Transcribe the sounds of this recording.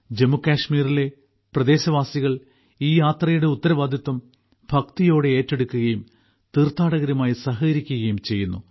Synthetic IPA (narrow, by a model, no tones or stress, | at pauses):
d͡ʑe̞mːukaːʂmiːrile̞ | prɐd̪e̞ːɕɐʋaːsiɣɐɭ | iːjaːt̪rɐjuɽe̞ut̪ːɐɾɐʋaːd̪ʱjɐt̪ʋɐm | bʱɐkt̪ijo̞ːɽe̞eːtːe̞ɽukːuɣɐjum | t̪irt̪ːaːɽɐɣɐɾumaːjisɐɦɐɣɐɾikʲːuɣɐjumt͡ɕe̞jːunːṵ